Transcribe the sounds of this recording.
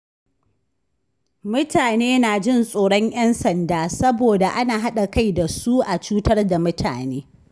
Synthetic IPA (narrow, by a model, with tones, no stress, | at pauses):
mʊ˦taː˨neː˦na˨d͡ʒɪ˦˨nsʼoː˨ɽɔ˦ɲʔj̰ɐ˦nsɐ˨ndaː˦sɐ˦boː˨da˨ʔa˦naː˨ɦa˦ɗa˨ka˦˨jda˨su˦ʔa˨t͡ʃuː˦tɐ˦rda˨mʊ˦tʰa̰ː˨neː˦